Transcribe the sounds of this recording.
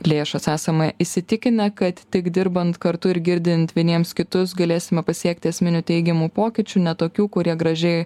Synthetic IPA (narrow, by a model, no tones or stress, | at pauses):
lʲeːʃɐsæːsɐmɐʔisʲɪt̪ʲɪkʲɪnʲɛkɐt̪tʲɪkd̪ʲɪɾbɐnt̪kɐɾt̪ʊɪɾɡʲɪɾʲd̪ʲɪnt̪ʋʲiɛnʲiɛmskʲɪt̪ʊsɡɐlʲeːsʲɪmʲɛpɐsʲiɛkt̪ʲɪɐsʲmʲɪnʲut̪ʲɛɪɡʲɛmuːpoːkʲɪt͡ʃʲuːnʲɛt̪oːkʲuːkʊɾʲiɛɡɾɐʒʲɛɪ